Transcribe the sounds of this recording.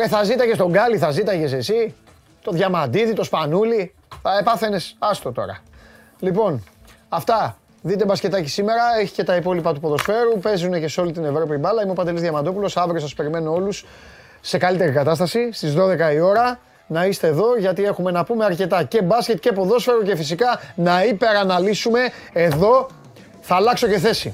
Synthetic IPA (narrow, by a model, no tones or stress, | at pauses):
eθɐzit̪ɐʝest̪o̞ɡɐliθɐzit̪ɐʝe̞se̞si | t̪o̞ðʝɐmɐnd̪iðit̪o̞spɐnuli | θɐepɐθe̞ne̞sɐst̪o̞t̪o̞̰ɾɐ̰ | lipo̞n | ɐft̪ɐ | ðit̪e̞bɐsce̞t̪ɐci̥sime̞ɾɐe̞çi̥ce̞t̪ɐipo̞lipɐt̪upo̞ðo̞sfe̞ɾupe̞zune̞ce̞seo̞lit̪ine̞vɾopiibɐlɐimo̞pɐd̪e̞lizðʝɐmɐnd̪o̞pulo̞sɐvɾiosɐspe̞ɾime̞noo̞lusː | e̞kɐlit̪e̞ɾikɐt̪ɐst̪ɐsist̪izðo̞ðe̞kɐio̞ɾɐ | nɐist̪eːðo̞ʝɐt̪ie̞xume̞nɐpume̞ɐɾce̞t̪ɐce̞bɐsce̞t̪̚ce̞po̞ðo̞sfe̞ɾuce̞fisikɐnɐipe̞ɾɐnɐlisume̞ːðo̞ | θɐːlɐkso̞ce̞θe̞sḭ